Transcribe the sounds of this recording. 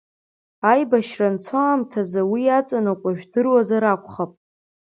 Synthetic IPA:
ajbaʃrant͡sʰoamtʰazawiat͡sʼanɨkʷʼaʒᶣdɨrwazaɾakʷʰʼχapʼ

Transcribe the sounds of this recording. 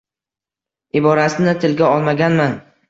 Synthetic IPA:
ɪbɒɾasɪnɪt̪ʰɪlɡʲaɒlˠmaɡʲanman

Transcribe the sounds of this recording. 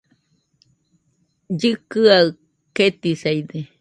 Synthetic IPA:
d͡ʒɨkɨaɨ | ket̪isajd̪e

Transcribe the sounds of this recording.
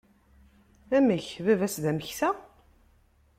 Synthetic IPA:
æməçvævæsðæməçθæ

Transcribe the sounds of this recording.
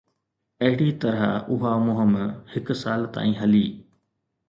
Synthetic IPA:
ɐɦɪɽit̪ɐɾaʊɦamʊɦəmhɪksaːlt̪a̰ːĩːɦɐliː

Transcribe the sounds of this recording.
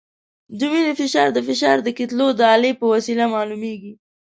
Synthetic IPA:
d͡ʒʊmiləfɪʃɑɾd̪əfɪʃɑɾd̪əkɪt̪lod̪əɑlepəwasilamɑlumeɡi

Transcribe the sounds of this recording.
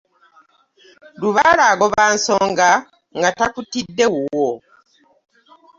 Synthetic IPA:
luβalaːɡoβaːnso̞ːŋɡa | ŋɡatakutidːe̞wuwo

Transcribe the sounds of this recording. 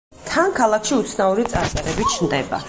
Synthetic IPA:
t̪ʰankʰalˠakʰʃiut̪sʰnauɾit̪sʼaɾsʼaɾɛbit͡ʃʰnd̪ɛba̰

